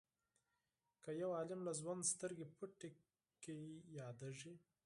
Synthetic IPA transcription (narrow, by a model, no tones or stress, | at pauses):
kajawɑlɪmlazwand̪st̪əɾɡepuʈe | kawijɑd̪aʐi